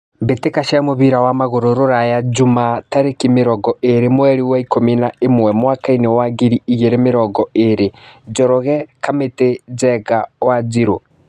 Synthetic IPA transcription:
mbetekaʃamoβiɾawamaɣoɾoɾoɾajad͡ʒumataɾekimeɾɔɡɔeɾemwɛɾiwaikominaemwɛmwaːkainewaɡiɾiiɣeɾemeɾɔɡɔeɾed͡ʒɔɾɔɣɛkameted͡ʒɛɡawad͡ʒiɾo

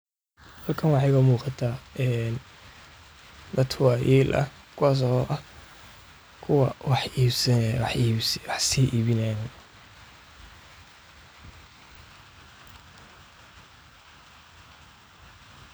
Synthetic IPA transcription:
hɐlkʰɐnwɑħɑjkɐmuːqɑt̪ʰaːɛːn | d̪ɐt̪kʰwɑjiːlʔɐ̰ | kʰʊwaːs̬ɔʔɐh | kʰʊwɐwɑħiːbsɐħwɑħsiːʔiːβɪnɛnɐ

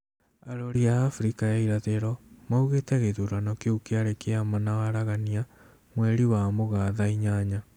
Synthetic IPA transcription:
aɾoɾiaːfuɾikajaiɾaðeɾɔmauɣetɛɣeðuɾanɔkeokeaɾekeamanawaɾaɣania | mwɛɾiwamoɣaːðaiɲaɲa

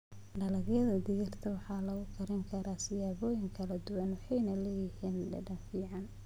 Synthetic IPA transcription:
ɖɐlɐɣjɐðɐd̪ɪɣɪrt̪ʰɐwɑħɑːlɐɣʊkʰɐɾɪŋkʰɐɾaːsɪjaːβɔːjɪŋkʰɐlɐd̪ʊwɐnwɑħɑjnɐlɛːjɪhiːnɖɐ̰ɖɐnfiːʕɑn

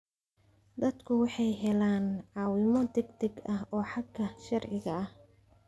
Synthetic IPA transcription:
d̪ɐd̪kʰʊwɑħɑjɦɛlaːnʕɑːwɪmɔd̪ɛɡd̪ɛɡɐɦɔːħɑɡʰːɐʃɐrʕɪɣɐɐh

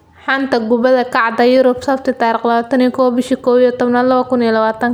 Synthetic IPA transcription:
ħant̪ɐɡʊbɐðɐkʰɑʕd̪ɐjʊɾɔbsɐft̪ʰɪt̪aːɾɪqlɐaːt̪ʰɐnijkʰɔːwbɪʃiːkʰɔːwijɛt̪ɔbnalɐβɐkʊnijɛlɐβaːt̪ʰɐŋ

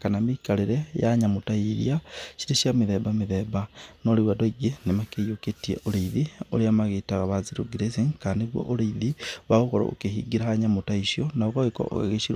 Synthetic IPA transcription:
kanamikaliɾejaɲamutaiɾj̰aʃiɾiʃiamiðebamiðeβanoliwadeɡenemakejoketiḛʔoleiðio̰liamaɣetaɣaβaziɾuɡiɾesiŋkandiβwo̰ʔoleiðiβaɣokoɾo̰o̰kehiɡiɾahaɲamutaiʃjonaokaβeko̰o̰a̰ɣeʃiɾ

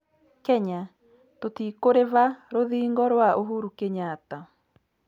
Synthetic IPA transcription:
kɛɲa | totiːkoɾeβaɾoðiːŋɡɔɾwaʔoɦuɾukeɲaːta

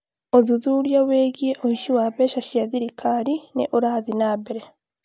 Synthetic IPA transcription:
oðuðuɾjaweːɡieʔohiʃiwaːβeʃaʃjaðiɾikʰaɾinḛʔoɾaðinaːbeɾe

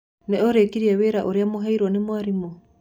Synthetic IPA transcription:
nɛɔɾekiɾiɛweɾaʔoɾeamoɦaiɾwɔnemwaɾimo

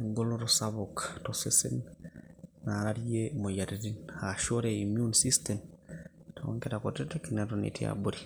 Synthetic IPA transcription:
eŋɡoloɾosaβokḁtosesḛn | naɾaɾjemojaɾiɾinaʃoɾeimjunsistemtao̰ːŋkeɾakotetekinetonḛtia̰buɾi

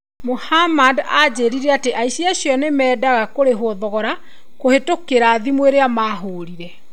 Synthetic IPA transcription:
mohamadad͡ʑeːɾiɾɛateʔaiɕiaɕjɔnemɛːdaɣakoɾeɦoðɔɣɔɾa | kohetokeɾaːðimweɾeamaːɦoːɾiɾɛ

